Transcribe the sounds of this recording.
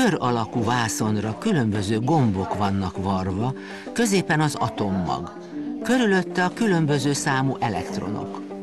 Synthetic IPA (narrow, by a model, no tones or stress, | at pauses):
øɾɒlɒkuvaːso̞nrɒkylø̞mbø̞zøːɡo̞mbo̞kʋɒnːɒkʋɒrvɒ | kø̞zeːpɛnɒzɒ̰t̪o̞mːɒ̰ɡ | kø̞ɾylø̞t̪ːɛɒkylø̞mbø̞zøːsaːmuʔɛlɛ̰kt̪ro̞̰no̞̰k